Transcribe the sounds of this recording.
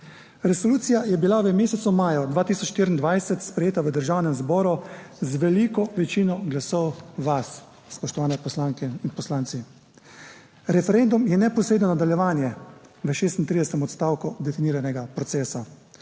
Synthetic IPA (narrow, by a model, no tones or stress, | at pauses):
ɾɛsɔluːt̪sijajɛbilaʋəmeːsɛt̪sumaːjɔd̪ʋaːt̪iːsɔt͡ʃʃt̪iːɾind̪ʋajsɛt̪spɾɛjeːt̪aʋəd̪əɾʒaːwnɛmzbɔːɾuzʋɛlikɔʋɛt͡ʃinɔɡlasɔwʋas | spɔʃt̪ɔʋaːnɛpɔslaŋkɛinpɔslaːnt̪si | ɾɛfɛɾend̪umjɛnɛpɔsɾed̪nɔnad̪aljɛʋaːnjɛʋəʃeːst̪int̪ɾid̪ɛsɛt̪ɛmɔt̪st̪aːwkud̪ɛfiniːɾanɛɡapɾɔt̪sɛːsa